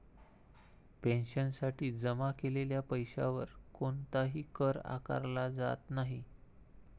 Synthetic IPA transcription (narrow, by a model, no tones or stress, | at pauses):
penɕənsaʈiːd͡zəmakeleljapəjɕa̰ʋəɾkoɳt̪aɦiːkəɾa̰ka̰ɾlad͡za̰t̪naɦi